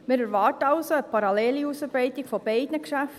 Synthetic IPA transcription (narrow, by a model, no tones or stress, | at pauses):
mɪːɾɛɾʋɑːtəɑʊsoəpʰɑɾɑlɛːliusəbɾɛɪtɪkfɔb̥ɛɪdnəkʃæf